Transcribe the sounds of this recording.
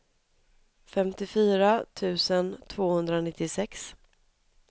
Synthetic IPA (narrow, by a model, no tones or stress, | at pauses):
fɛmt̪ɪfyːɾat̪ʰʉ̟ːsənt̪ʰv̥oːhɵnd̪ɾanɪt̪ːɪsɛks